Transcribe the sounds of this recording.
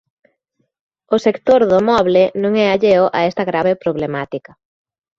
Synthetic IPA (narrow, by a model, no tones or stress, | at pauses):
osekt̪oɾðʊmɔβlɪnõŋɛaʎeoʔaɛst̪ɐɣɾaβɪpɾoβlemat̪ikɐ